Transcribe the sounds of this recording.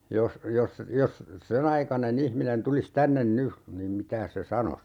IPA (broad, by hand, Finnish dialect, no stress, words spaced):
jos jos jos sen ɑikɑnen ihminen tulis tænːen ny niːm mitæːs se sɑnos